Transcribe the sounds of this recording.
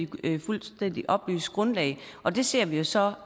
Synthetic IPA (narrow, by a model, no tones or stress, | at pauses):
ifulsd̥en̰d̥iʔɒ̽b̥ly̰ːsɡ̥ʁɔ̽nlɛ̰ɪʔɒ̽d̥e̝se̝ɐ̰ʋijo̝sɒ̽